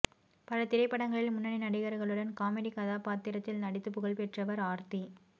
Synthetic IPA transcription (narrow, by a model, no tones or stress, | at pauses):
pɐlɐt̪ɪɾɐɪpːɐɽɐŋɡɐɭɪlmʊnːɐɳinɐɽɪɣɐɾɣɐɭɯɽɐnkaːmɛɽikɐðaːpaːt̪ːɪɾɐt̪ːɪlnɐɽɪt̪ːɯpːɯɣɐɭpɛʈrɐʋɐɾaːɾt̪i